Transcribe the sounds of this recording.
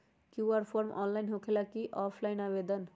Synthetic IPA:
kjuaɾpʰoɾmʔɔ̰ːnlajnɦokʰelakiʔɔpʰlajinabed̪ən

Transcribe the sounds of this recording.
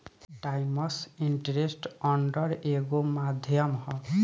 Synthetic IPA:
ʈajmɔsinʈɾesʈɔɳɖɔɾeɡomad̪ʱjɔmhɔ

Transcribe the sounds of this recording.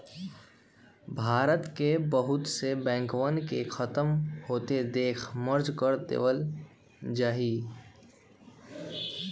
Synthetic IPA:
bʱaːɾət̪kebəɦʊt̪sebɛ̃ːŋkʋənkexʰət̪əmhoːt̪ed̪eːkʰməɾd͡ʒkəɾt̪ḛːʋəl | d͡ʒaːɦi

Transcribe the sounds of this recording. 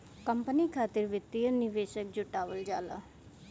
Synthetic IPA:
kəmpəniːkʰaːt̪ɪɾʋɪt̪ːiənɪʋeːʃək̚d͡ʒʊʈaːʋəld͡ʒaːla̰ː

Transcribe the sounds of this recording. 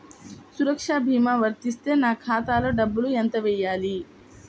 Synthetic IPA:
suɾɐkʂaːbʱiːmaːʋɐɾt̪ist̪eːnaːkʰaːt̪aːlɐɖɐbːulujɐnt̪ɐʋejaːli

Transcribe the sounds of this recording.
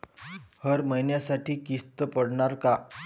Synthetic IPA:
həɾməjnjasaʈiːkist̪əpəɽɳaɾka

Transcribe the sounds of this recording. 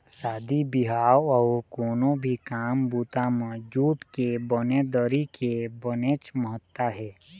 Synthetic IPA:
saːd̪ibɪɦaːwɔːkoːnõbʱikaːmbuːt̪amɔd͡ʒuːt̪kebɔned̪ɔɾikebəneːt͡ʃməɦət̪ːaɦɛː

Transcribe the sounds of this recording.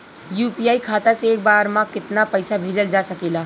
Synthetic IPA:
juːpijaːikʰaːt̪aseeːk̚baːɾmãkɪt̪napəɪsabʱeːd͡ʒəld͡ʒasəkeːla

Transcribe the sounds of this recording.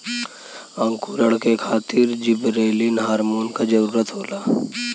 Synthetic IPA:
ə̃ŋkuɾəɽkekʰaːt̪ɪɾd͡ʒɪbɾeːlinɦaːɾmoːnkad͡ʒəɾuːɾət̪ɦoːlaː

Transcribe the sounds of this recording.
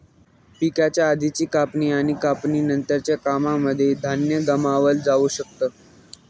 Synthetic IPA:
pikat͡ɕjaːd̪ʱit͡ɕiːkapniːaɽ̃ikapniːnənt̪əɾt͡ɕjakamaməd̪ʱːjed̪ʱanjəɡəmaʋəld͡zauɕək̚t̪əː

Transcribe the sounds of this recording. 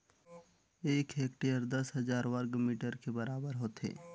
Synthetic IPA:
eːkʰeːk̚ʈeəɾd̪ɐsɦɐzaːɾwəɾɡmiːʈəɾkebɐɾaːbəɾɦoːt̪ɦḛː

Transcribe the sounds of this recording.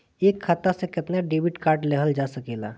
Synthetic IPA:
eːkʰːaːt̪asekɪt̪naɖeːbɪʈkaːɾʈleɦəld͡ʒaːsɐkeːlaː

